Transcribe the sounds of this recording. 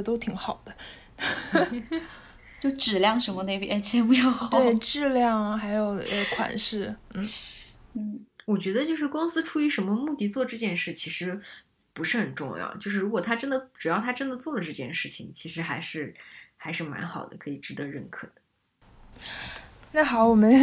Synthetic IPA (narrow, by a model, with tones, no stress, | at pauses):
t̪o˥ʊt̪ʰi˧˥ŋxɑ˨˩ʊd̪ə˦ | t͡ɕjo˥˩ʊʈ͡ʂɻ̩˨˩ljɑ˥˩ŋʂə˧˥nmɔ˧ne˥˩ɪpjt͡ɕʰɛ˧˥pu˧˥jo˧˩ʊxt̪e˥˩ɪʈ͡ʂɻ̩˥˧ljɑ˥˩ŋxa˧˥ɪjo˨˩ʊə˧˩kʰwa̰˨˩nʂɻ̩˥˩n̩˥˩n̩˥˩wɔ˨˩t͡ɕɥɛ˧˥d̪ə˧t͡ɕjo˥˧ʊʂɻ̩˥˩kʊ˥ŋsɹ̩˥ʈ͡ʂʰu˥˩y˧˥ʂə˧˥nmə˧mu˥˧t̪i˥˩t͡swɔ˥˧ʈ͡ʂɤ˥˧t͡ɕjɛ˥˧nʂɻ̩˥˩t͡ɕʰi˧˥ʂɻ̩˧˥ | pu˧˥ʂɻ̩˥˩xə˨˩nʈ͡ʂʊ̰˥˧ŋj̰ʊt͡ɕjo˥˧ʊʂɻ̩˥˩ɻu˧˥kwɔ˨˩t̪ʰa˥ʈ͡ʂə˥nd̪ə˨ʈ͡ʂɻ̩˨˩jɑ˥˩ʊt̪ʰa˥ʈ͡ʂə˥nd̪ə˨t͡swɔ˥˩d̪ə˩ʈ͡ʂɤ˥˧t͡ɕjɛ˥˧nʂɻ̩˥˩t͡ɕʰi˨˩ŋt͡ɕʰi˧˥ʂɻ̩˧˥xa˧˥ɪʂɻ̩˥˩xa˧˥ɪʂɻ̩˥˩ma̰˧˥nxɑ˨˩ʊd̪ə̰˦kʰɤ˧˥i˨˩ʈ͡ʂɻ̩˧˥d̪ə˧˦ɻə˥˩nkʰɤ̰˨˩d̪̥ə˦ | na˥˩ɪxɑ˨˩˦ʊwɔ˨˩mə˦n